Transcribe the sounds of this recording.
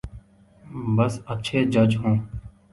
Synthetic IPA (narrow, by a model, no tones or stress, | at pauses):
bəsətːʃʰeːd͡ʒəd͡ʒɦõː